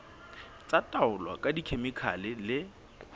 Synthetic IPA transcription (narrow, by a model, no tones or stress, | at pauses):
t͡sʼatʼaʊlwa̰kʼadikʰemɪkʰa̰lɪlɪ